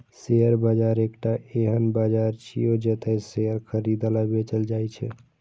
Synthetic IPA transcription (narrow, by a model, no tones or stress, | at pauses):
seəɾbad͡ʒaɾekʈaeɦənbad͡ʒaɾt͡ʃʰijod͡ʒet̪əseəɾkʰəɾid̪alabet͡ʃəld͡ʒajt͡ʃʰɛ̰